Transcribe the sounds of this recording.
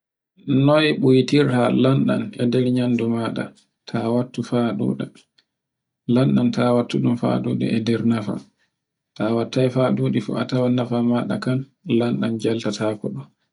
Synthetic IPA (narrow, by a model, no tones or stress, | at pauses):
nɔjɓujtiɾtalanɗa̰nɛdɛɾɲandumaɗa̰ | tʰawatːufaɗṵːɗa | lanɗantawatːuɗumfa̰ɗṵːɗɛ̰ʔɛdɛɾnafa̰ | tawatːajfaɗuːɗifṵatawanafamaɗa̰kan | lanɗand͡ʒaltataːkɔɗɔ